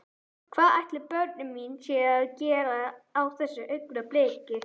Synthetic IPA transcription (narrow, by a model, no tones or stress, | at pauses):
kʰvaːðajht̪lɪɾpœɾt̪nɪmint͡ɕɛaðcɛːɾaːwθɛsːaʔʏkɾapleːkɪ